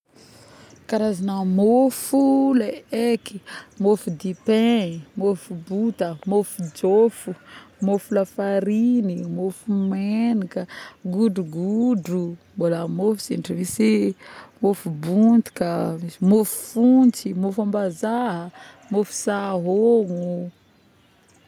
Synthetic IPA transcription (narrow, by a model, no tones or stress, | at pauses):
kaɾazanamofuleeki̥mofud̪ipeimofubut̪əmofud͡ʒofumofulafaɾinimofumenikəɡuɖ͡ʐuɡuɖ͡ʐumbolamofizinʈ͡ʂimisimofubunt̪i̥kəmisimofu̥funt͡simofambazaɦə | mofu̥saɦoŋu